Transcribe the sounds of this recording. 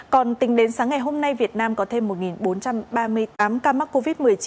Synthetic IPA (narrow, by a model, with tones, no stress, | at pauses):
kɔ˨˩nt̪ï˨˦ŋ̟ɗe˨˦nsaː˨˦ŋːa˨˩jɦo˧mna˧jvi˨˩ət̚naː˧mkɔ˨˦t̪ʰe˧mːo˨˩t̚ŋi˨˩nɓo˨˦nt͡ɕa˧mɓaː˧mɨ˧əjt̪aː˨˦mkaː˧ma˦˥k̚ko˧vi˦˥t̚mɨ˨˩əjt͡ɕi˨˦